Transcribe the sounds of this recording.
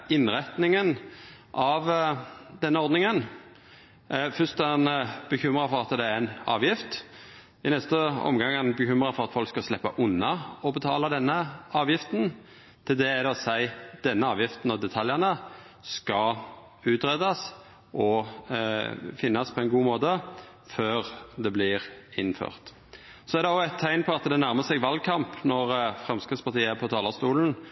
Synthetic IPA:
ɪnʁɛt̪nɪŋən | ʔɑʋd̪ɛnːəɔɾd̪nɪŋən | fʏst̪ɑnb̥əçʏmɾʁɑfɔʁɑt̪d̪ɛæɾænɑ̰ːʋjɪft̪ | ɪnɛst̪əɔ̰mɡɑŋɑnbəçʉmɾɑfɔʁɑt̪fɔlkskɑslɛpːɑʔʊnːɑɔbət̪ʰɑːlɑd̪ɛnːəɑːʋjɪft̪n | t̪ʰɪld̪ɛæd̪ɛɔsæɪd̪̥ɛnːəɑːʋjɪft̪n̩ɔd̪ɛt̪ʰɑljəʁnə | skɑ | ʉːt̪ɾɛd̪ɑs | ʔɔ | fɪnːɑspʰɔɛɪnɡuːmoːt̪ə | føːʁd̪ɛblɪʁɪnfø̰ːʁt̪ | sɔæɾd̪ɛɔæt̪ʰːæɪnpʰɔɑt̪d̪ɛnæʁməsɛɡʋɑl̚kʰɑmpnɔʁfʁɛmskʁɪspʰɑʁt̪iːəpʰɔt̪ʰɑːləʁst̪uːln̩

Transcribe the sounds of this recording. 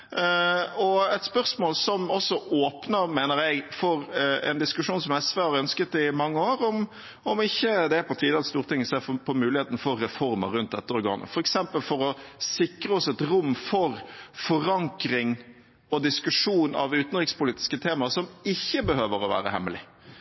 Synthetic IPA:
ɔɛt̪spœʁsmoːlsɔmɔsːɔʔoːpnəɾmeːnəɾjɛɪɡfɔɾɛ̰nd̪ɪskʉʂuːnsɔmɛsʋeːhɑɾœnskət̪ɪmɑŋːəoːɾɔm | ɔmɪçːəd̪ɛæɾpʰɑt̪ʰiːd̪əɛt̪st̪uːɾt̪ʰɪŋːɪseːfɔpʰɔmʉːlɪheːt̪n̩fɔɾːɛfɔɾmə̰ɾʉnt̪̚d̪ɛt̪ːəɔɾɡɑ̰ːnə̰fɔɾɛksɛmpəlfɔɾɔsɪkɾəɔsɔɛt̪ɾʊmːfɔɾfɔɾɑŋkɾɪŋ | ɔd̪ɪskʉʂuːnɑ̰ʋʉːt̪n̩ɾɪkspʊliːt̪ɪ̥skət̪ʰeːmɑɾsɔmɪçːəbəhøːʋəɾɔʋæ̰ːɾə̰hɛ̰mːəlɪ̰

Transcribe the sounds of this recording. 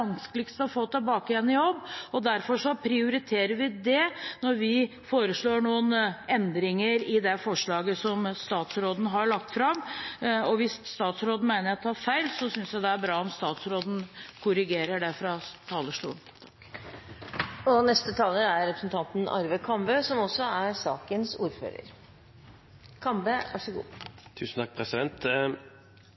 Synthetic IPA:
ɑnskəlɪkst̪əɑfoːt̪ʰɛlbɑːkɪjɛnːɪjɔbːɔd̪æɾfɔʂɔpʰɾɪʊɾɪt̪ʰeːɾəɾʋɪd̪ɛnɔɾʋɪ | foːɾəʂɭoːɳuːənɛnd̪ɾɪŋəɾɪd̪ɛfɔʂɭɑːɡəsɔmst̪ɑːt̪sɾoːd̪n̩ɦɑɾɭɑk̚t̪fɾɑmɔʋɪsst̪ɑːt̪sɾoːd̪n̩mæɪnəɾt̪ʰɑːɾfæɪlsɔsʏnsjæd̪ɛæɾbɾɑːɔmst̪ɑːt̪sɾoːd̪n̩kʰʊɾɪɡeːɾəɖɛfɾɑt̪ʰɑːləʂʈṵːnt̪ʰɑ̥k | ɔnɛst̪ət̪ʰɑːləæɾɛpɾəsnt̪ʰɑnt̪n̩ʔɑ̰ɾʋəkʰɑmbøːsɔmɔsːɔæɾsɑ̰ːkənsuːɾfø̰ːɾə̰ɾ | kʰɑmbəɑ̰ʂɔɡṵːt̪ʰʉːsn̩t̪ʰɑk̚ːpʰɾɛsɪd̪ɛnt̪

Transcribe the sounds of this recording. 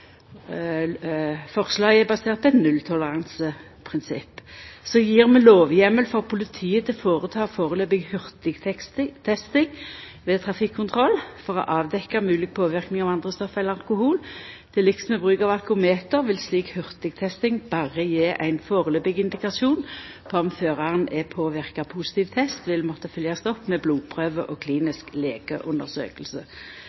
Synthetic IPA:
fɔʁslɑːɡɛbɑseːʁt̪̚pʰɔɛt̪nʉlt̪ʰɔləʁɑnsə | pʰʁɪnsɪpːsɔjiːʁmɛloːʋjɛmːəlfɔʁpʰʊlɪt̪ʰiːət̪ʰɪlfoːʁət̪ʰɑːfoːʁəløːbɪɡhʏʁt̪ɪɡ̪t̪ʰɛst̪ɪŋ | ʋeːt̪ʰʁɑfɪkʰːʊnt̪ʰʁɔlfɔʁɔ̰ʔɑːʋd̪ɛkːɑmʉːlɪk̚pʰoːʋɪʁknɪŋɑʋɑnd̪ʁəst̪ɔfːɛlːəɾɑlkʊhuːlt̪ʰɪlɪksmɛbʁʉːkɑʋɑlkʊmeːt̪əʁʋɪlsliːkhʏʁt̪ɪɡ̚t̪ʰɛst̪ɪŋb̥ɑːʁəjeːʔæ̰ɪnfoːʁəløːbɪɡɪnd̪ɪkɑsuːn | pʰɔɔmføːʁɑʁənɛpʰoːʋɪʁkɑpʰuːsɪ̥t̪ʰiːʋt̪ʰɛst̪ʋɪlmɔt̪ːəfœljɑst̪ɔpːmɛbluːpʰʁøːʋəʔoːkʰliːnɪskleːɡ̥ə̰ʔʉnd̪əʁsø̰ːkəlsə

